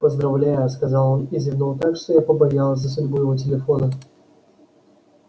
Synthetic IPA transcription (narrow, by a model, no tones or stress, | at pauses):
pəzd̪ɾɐvlʲæjʊskɐzɑlˠonɪzvʲɪnolˠt̪akʂt̪ojapəbɐjalˠz̬ʲzəs̬ʊdʲbujɪvot̬ʲɪlʲɪfonə